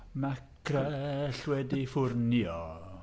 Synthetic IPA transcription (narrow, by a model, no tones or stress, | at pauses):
makʰrɛɬwɛdifʊrnjɔ